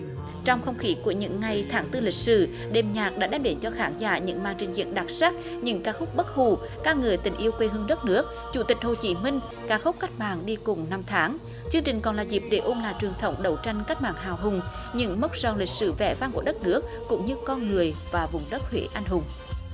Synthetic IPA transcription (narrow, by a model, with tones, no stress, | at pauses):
t͡ɕɔ˧wŋ͡mxə˧wŋ͡mxi˨˦ku˧˩əɲɨ̰˧˥ŋːa˨˩jt̪ʰaː˨˦ŋt̪ɨ˧lï˨˩k̟̚sɨ̰˧˩ | ɗe˨˩mɲaː˨˩k̚ɗa̰ː˧˥ɗɛː˧mɗe˨˦nt͡ɕɔ˧xaː˧˦nza̰ː˧˩ɲɨ̰˧˥ŋmaː˧˨nt͡ɕï˨˩ŋ̟zḭ˧˨ənɗa˨˩t̚saː˦˥k̚ | ɲɨ̰˧˥ŋkaː˦˥k̚xʊ˦˥k͡p̚ɓə˦˥t̚hu˧˩ | kaː˦˥k̚ŋɨ˨˩əjt̪ï˨˩ŋ̟ʔi˧əwkwe˧ɦɨ˧əŋɗə˦˥t̚nɨ˦˥ək̚ | t͡ɕu˧˩t̪ï˨˩k̟̚ho̰˧˨t͡ɕḭ˧˨˦mï˧ŋ̟ | kaː˦˥xʊ˦˥k͡p̚ka˦˥jk̟̚ma̰ː˧˨˩ŋɗi˧kʊ˨˩ŋ͡mna˧mt̪ʰaː˨˦ŋ | t͡ɕɨ˧əŋt͡ɕï˨˩ŋ̟kɔ˨˩nlaː˨˩zi˨˩p̚ɗe˧˩ʔo˧nlaː˨˩jt͡ɕwi˨˩əŋt̪ʰə˨˧˦wŋ͡mɗə˨˩wt͡ɕa˧jŋ̟ka˦˥k̟̚maː˧˨ŋɦaː˨˩wɦʊ˨˩ŋ͡m | ɲɨ̰˧˥ŋmə˦˥k͡p̚zɔ˨˩nlï˨˩k̚sɨ̰˧˩vɛ̰˧˩va˧ŋku˧˩əɗə˦˥t̚nɨ˦˥ək̚ːʊ̰˧˥ŋ͡mɲɨ˧kɔ˧nŋɨ˨˩əjvaː˨˩vʊ˨˩ŋ͡mɗə˦˥t̚hwḛ˧˦ʔa˧jŋ̟ɦʊ˨˩ŋ͡m